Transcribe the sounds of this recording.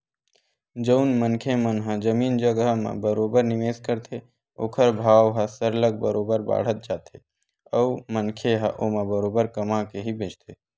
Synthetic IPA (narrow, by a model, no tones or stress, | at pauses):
d͡ʒəʊnmənkʰemənɦə̃d͡ʒəmiːnd͡ʒəɡɦmã̰bəɾoːbəɾnɪmeːskəɾt̪ʰe | oːkʰəɾbʱaːwɦə̃səɾləɡ̚bəɾoːbəɾba̰ːɽ̤ət̪̚d͡ʒaːt̪ʰe | əːmənkʰeɦə̰ʔoːmãbəɾoːbəɾkəmakeɦibeːt͡ʃt̪ʰe